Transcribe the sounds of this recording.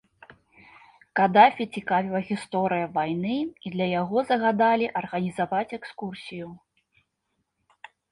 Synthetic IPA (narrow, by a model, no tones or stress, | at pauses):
kad̪afʲit͡sʲikavʲilˠɐɣʲist̪ɔɾɨjɐvajnɨid̪lʲɐjaɣɔzɐɣad̪alʲiʔɐrɣɐnʲizavat͡sʲɛkskursʲiju